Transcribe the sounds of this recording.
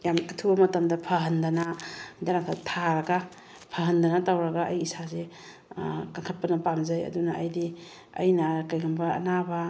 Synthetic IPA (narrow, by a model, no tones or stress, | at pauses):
jamɐtʰubɐmɐtɐmdɐpʰɐɦɐndɐnad͡ʒanatʰatʰaɾɐɡa | pʰɐɦɐndɐnɐtawɾɐɡaʔɐjisaze | kaŋkʰɐt̚pɐnɐpamzɐjɐ̰dunaʔɐjdi | ɐ̰jnɐkajɡʰɐmbɐ̰ːnabɐ